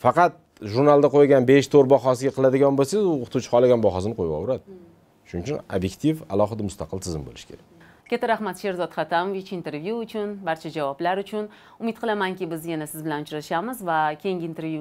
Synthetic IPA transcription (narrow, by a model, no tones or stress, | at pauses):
fɑqɑt̪̚ | ʒuɾnalˠd̪aqʰojɡʲanbe̞ʃt̪ʰoɾbɒχɒs̬ɪɡʲaqʰɨlad̪ɪɡʲɒnbolsazʊqʰʊ̥t̪ʰut͡ʃʰɪ̥χʰɒlˠaɡʲanbɒɦɒsɪnɨqʰojbɒ̰wɾad̪ɪ | ʃʊnɪt͡ʃʰʊna̰bjekʲt̪ʰiva̰lˠɒχɨd̪amʊst̪ʰɑqʰɨlˠt̪ʰɪzɪmbo̰lɪʃkʲʰe̞ɾak̚ʲ | kʲʰet̪aɾahmat̪ʃe̞ɾzɒt̪χat̪ʰamovɪt͡ʃɪnt̪ʰe̞ɾvjuːt͡ʃʰʊnbaɾt͡ʃʰad͡ʒavɒblaɾʊt͡ʃʰʊn | ʊmɪt̪̚qʰɨlˠamaŋkʲɪbɪzjanasɪzbɪlanʊt͡ʃʰɾaʃamɪzvakʲʰejŋɡʲɪːnt̪ʰe̞ɾvju